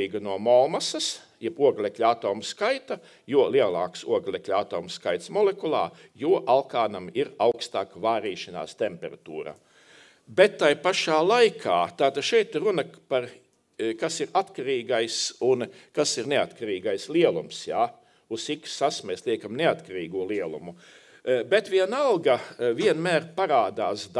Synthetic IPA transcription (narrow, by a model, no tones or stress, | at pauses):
iːɡanuɔmɔlmasɐs | jɛbuɔɡlʲˠeklʲat̪oːmskajt̪ɐ | juɔlˠiɛlˠaːksuɔɡlʲˠeklʲat̪ɔːmsːkajt̪smɔlekulˠɑ̰ː | juɔʔalˠkaːnamiɾawkst̪aːkvaːɾiːʃɐna̰ːst̪empɛɾat̪ṵːɾa̰ | bet̪ːajpaʃaːlˠajkʰaːt̪aːt̪ad̪ʃɛjt̪iɾunɐpaɾ | kasiɾat̪kaɾiːɡajsunkasiɾneat̪kaɾiːɡajslˠiɛlˠumsjaː | usikssːasmeːslˠiɛkamneat̪kaɾiːɡuːlˠiɛlˠṵmu | bet̪viɛnalˠɡaviɛnmæːɾpaɾaːd̪aːsd̪